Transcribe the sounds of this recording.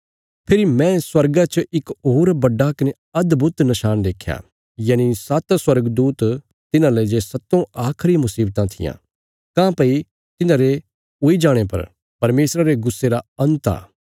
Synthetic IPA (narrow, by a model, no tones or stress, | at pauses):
pʰɪɾimɛ̃swɐɾɡat͡ʃəʔɪkoːɾbɐɖːakɪne | ɐd̪bʱʊt̪nɐʃaːnd̪eːkʰːja̰ | jaːnisat̪swɐɾɡd̪uːt̪ | t̪ɪnãled͡ʒesɐt̪ːõʔaːkʰɾimʊsiːbt̪ãt̪ʰɪ̰jã̰ | kãːpɐi | t̪ɪnãɾe | ʊid͡ʒaːɽ̃epɐ̰ɾ | pɐɾmeːsɾaɾeɡʊsːeɾaɐ̃nt̪a̰ː